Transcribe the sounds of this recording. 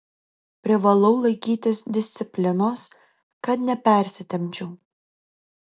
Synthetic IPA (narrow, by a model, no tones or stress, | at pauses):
pʲɾʲɪʋɐlˠɔʊlˠɐɪkʲiːt̪ʲɪsd̪ʲɪsʲt̪sʲɪpʲlʲɪnoːs | kɐt̪nʲɛpʲɛˑɾʲsʲɪt̪ʲɛmʲt͡ʃʲuː